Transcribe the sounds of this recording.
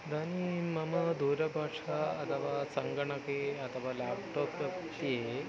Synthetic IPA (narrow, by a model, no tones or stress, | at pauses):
d̪ʱanimɐmɐd̪ʱuɾɐbʱaʂaɐt̪ʰɐʋasəŋɡɐɳɐkeɐt̪ʰɐʋalap̚ʈɔpət̪ie